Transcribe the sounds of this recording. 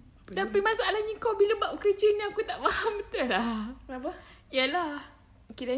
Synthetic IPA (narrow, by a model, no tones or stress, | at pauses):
t̪ampamãsaʔalahɲəkowbiləbaʔ̚kəd͡ʒənãakut̪aʔfahambət̪ulaapə | jalah | kila